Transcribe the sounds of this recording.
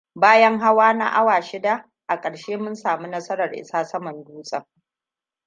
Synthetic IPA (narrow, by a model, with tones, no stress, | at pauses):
baː˦jɐ˦ŋɦa˦waː˦na̰˦ʔa˦waː˨ʃɪ˦da˦ | ʔa˨kʼɐ˨ɽʃeː˦mʊ˦nsaː˨mu˦nɐ˦sɐ˦ɾɐ˨rʔɪ̰˦saː˦sɐ˦mɐ˨nduː˦sʼɐ̰˦˨ŋ